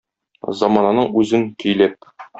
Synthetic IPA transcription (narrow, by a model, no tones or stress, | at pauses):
zɒmɑnɑnɤɴʉzɘŋkɵ̆jlæp̚